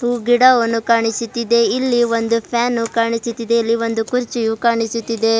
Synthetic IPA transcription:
uːɡiɽaʋɐnːukaːɳisut̪ːid̪e̞ilːiʋond̪upʰjaːnukaːɳisut̪ːid̪e̞ilːiʋond̪ukuɾt͡ʃijukaːɳisut̪ːid̪e̞

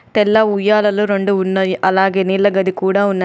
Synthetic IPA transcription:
t̪ɛlːɐujːaːlɐluɾoɳɖuunːɐiʔɐlaːɡeːnilːɐɡɐd̪ikuːɽaːunːɐ

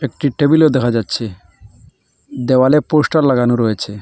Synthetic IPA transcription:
ek̚ʈiʈebiled̪ɛkʰad͡ʑatːɕʰe | d̪ewaleposʈalːaɡanoɾɔjet͡ɕʰe

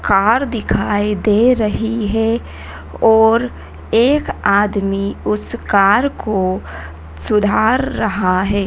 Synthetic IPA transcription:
kaːɾd̪ɪkʰaːid̪eːɾɐɦiɦɛ | ɔːɾ | eːkaːd̪miʊskaːɾko | sʊd̪ʱaːɾːɐɦaɦɛː

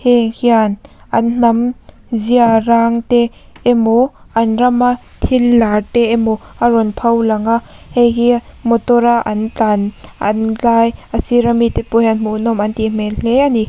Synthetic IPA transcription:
hehianʔann̥ɐm | ziaɾaŋteː | moʔanrɐma | t̪ʰilːateemoaɾɔnpʰɐwlaŋa | hehiamɔt̪ɔɾaʔant͡ɬanɐ̰nlaːjasiɾamit̪epohanmuʔnɔmant̪im̥eleani

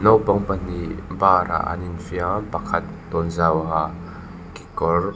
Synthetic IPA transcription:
nɔwpaŋpɐnibaːɾa̰ʔa̰ninfiapɐkʰɐt̪̚ːɔnzawɦa | ki̥kɔr

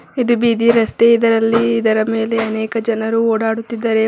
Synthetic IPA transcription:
id̪ubiːd̪iɾɐst̪e̞id̪ɐɾɐlːiːd̪ɐɾɐme̞ːle̞ɐnɛːkɐd͡ʒɐnɐɾuoːɽaːɽut̪ːid̪ːɐɾe̞

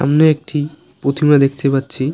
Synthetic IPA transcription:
a̰mneek̚ʈʰi | pɾot̪ʰimɾad̪ekʰt̪epatːɕʰi

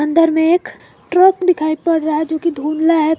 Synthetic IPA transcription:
ə̃nd̪əɾmẽeːk | ʈɾəkd̪ɪkʰaːipəɽɾaɦɛd͡ʒoːkid̪ʱuːnlaɦɛ

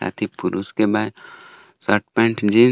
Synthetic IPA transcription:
a̰ːt̪ʰipʊɾuskebaː | səʈ̚pɛ̃ɳʈd͡ʒĩː

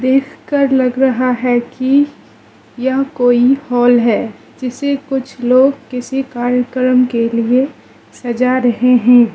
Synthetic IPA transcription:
d̪eːkʰkəɾlɐɡɾɐɦaɦɛki | jɐɦkoːihɔːlɦɛː | d͡ʒɪsekʊt͡ʃʰloːɡkɪsikaːɾjəkɾəmkelie | sɐd͡ʒaɾɐɦeɦɛ̃ː

